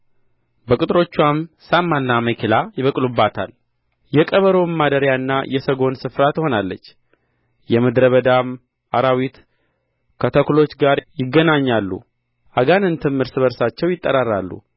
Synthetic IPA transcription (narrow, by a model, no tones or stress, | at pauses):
bəkʼut̪ʼɾo̞t͡ʃːwamsamːanːaməkʰilajɪβəkʼlubːat̪ʰa̰l | jɛkʼəβəɾo̞mːad̪əɾjanːajɛsəɡo̞nsɨfɾat̪ho̞nalːə̰t͡ʃː | jɛməd̪ɾəβəd̪am | aɾawit̪ | kʰət̪ʰəkulo̞t͡ʃːɡaɾjɪɡːənaɲːalːṵ | ʔaɡanɨnt̪ʰɨmːɨɾsɨβəɾsat͡ʃːɛwjɪt̪ʼːəɾarːalːṵ